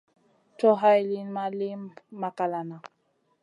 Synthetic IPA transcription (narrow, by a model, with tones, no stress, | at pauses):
tɔ˦ɦa˦jli˦nma˦li˦mːa˨ka˨la˨na˨